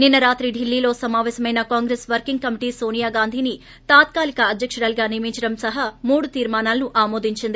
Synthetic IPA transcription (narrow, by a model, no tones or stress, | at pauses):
ninːɐɾaːt̪ɾiɖilːiːlo̞ːsɐmaːʋɛːsɐmɐjnɐkaːŋɡɾeːsʋɐɾkiŋɡ̚kɐmiʈiːso̞ːnijaːɡaːnd̪ʱiːni | t̪aːt̪̚kaːlikɐɐd̪ʱjɐkʂɐɾaːlɡaːnijɐmiɲt͡ʃɐɽɐmsɐɦɐmuːɽut̪iːɾmaːnaːlnuʔaːmo̞ːd̪iɲt͡ʃind̪i